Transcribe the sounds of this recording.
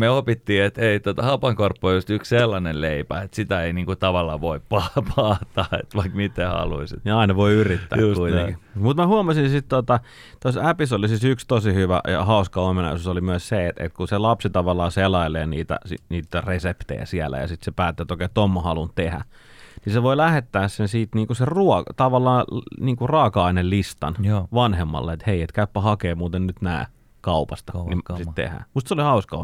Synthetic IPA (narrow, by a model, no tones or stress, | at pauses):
meopit̪ːiːet̪eit̪ot̪ɑhɑpɑŋkorpːoojust̪yksselːɑnenleipæet̪sit̪æeiniːŋkut̪ɑʋɑlːɑːʋoippɑpʰɑːt̪ːɑːḛt̪ʋɑikmit̪ːehɑ̰lṵisit̪jɑɑˑinɑʋoiyrit̪ːæ̰ːkkuit̪ḛkimut̪mæhuɑmɑsinsit̪t̪uot̪ɑ | t̪osæpisolisisykst̪osihyʋæ̰jɑ̰hɑˑuskɑomːenɑ̰susolimyæsseet̪ḛt̪kuselɑpsit̪ɑʋɑlːˑɑːselɑileːnḭːt̪æ̰sḭniːt̪ːæresept̪ḛjæ̰siælæ̰jɑ̰sit̪sepæːt̪ːøet̪oˑkeːt̪omːɑhɑlunt̪ehæ̰ | niseʋoilæhet̪ːæːssensiːt̪niːŋkuseruɔt̪ɑʋɑlːˑɑːniːŋkurɑkɑˑinellist̪ɑnʋɑnhemːɑ̰lːeet̪heiet̪kæypːæhɑkeːmuːt̪ennyt̪næ̰ː | kɑupɑst̪ɑnimsit̪t̪ḛhæ̰must̪solihɑuskɑo